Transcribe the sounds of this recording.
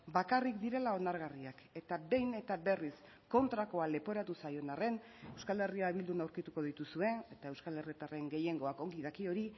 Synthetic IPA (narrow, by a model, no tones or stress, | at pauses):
bakarikd̪iɾe̞lao̞naɾɣariake̞t̪abe̞jne̞t̪aβe̞ris | ko̞nt̪ɾako̞ale̞po̞ɾat̪usajo̞nare̞n | ewskale̞riaβild̪unawɾkit̪uko̞ðit̪usue̞ne̞t̪aewskalerit̪are̞ŋɡe̞je̞ŋɡo̞ako̞ŋɡiðakio̞ɾi